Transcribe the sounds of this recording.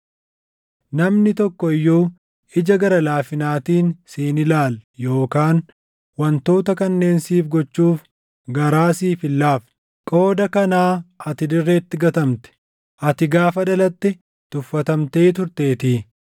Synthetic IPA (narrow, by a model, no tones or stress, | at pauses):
nɐmnɪt̪ɔkːɔɪjːuː | ɪd͡ʒɐɡɐɾɐlaːfɪnaːt̪iːnseːnɪlaːljo̞ːkaːn | wɐnt̪o̞ːt̪ɐkɐnːe̞ːnsiːfɡɔt͡ʃːuːf | ɡɐɾaːsiːfɪlːaːf | kʼo̞ːd̪ɐkɐnaːɐt̪ɪd̪ɪrːe̞ːt̪ːɪɡɐt̪ɐmt̪ɛ̥ | ʔɐt̪ɪɡaːfɐdɐlɐt̪ːɪ | t̪ʊfːɐt̪ɐmt̪e̞ːt̪ʊɾt̪eːt̪iː